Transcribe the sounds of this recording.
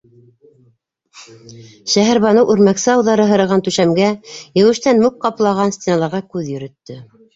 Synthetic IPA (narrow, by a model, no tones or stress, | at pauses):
ʃæɦɘ̆ɾβɑnɤwʔʉɾmæksɘɑwðɑɾɤɦɤ̆ɾɤ̆ʁɑnt̪ʉʃæmɡæjɘ̆wɘ̆ʃt̪ænmʉk̚qɑplˠɑʁɑnsʲt̪ʲenɑlˠɑɾʁɑkʉðjɵ̆ɾɘ̆t̪ːɘ